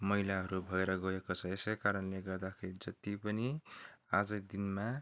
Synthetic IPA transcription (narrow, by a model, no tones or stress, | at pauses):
mʌɦilaɦʌɾubʱʌeɾʌɡʌekot͡sʰʌesekaɾʌnleɡʌrd̪akʰeɾid͡zʌt̪ipʌniad͡zʌd̪inma